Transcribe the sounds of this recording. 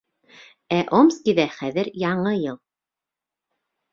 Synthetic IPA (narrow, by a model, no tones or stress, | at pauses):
æʔomskiðæχæðɘɾjɑɴɤjɤlˠ